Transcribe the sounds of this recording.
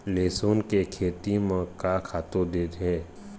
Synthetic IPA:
leːsoːnkekʰeːt̪imãkakʰaːt̪od̪eːt̪ẽː

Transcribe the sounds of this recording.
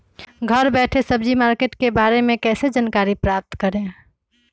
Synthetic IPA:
ɡʱəɾbɛːʈʰesəbd͡ʒimaːɾkeːʈkebaːɾemẽkɛːsed͡ʒankaːɾipɾaːp̚t̪kəɾẽ

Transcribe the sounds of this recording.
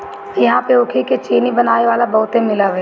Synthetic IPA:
jɐɦãpeʊkʰiket͡ʃeːnibɐnaːeʋaːlabɐɦʊt̪ẽmɪlaʋeː

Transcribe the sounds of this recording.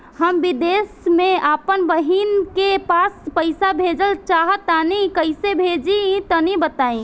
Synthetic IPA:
ɦəmbid̪esmẽʔapənbəɦinkepaspəɪsabʱed͡ʒəlt͡ʃaɦət̪ːanikəisebʱed͡ʒĩt̪ənibət̪aĩ

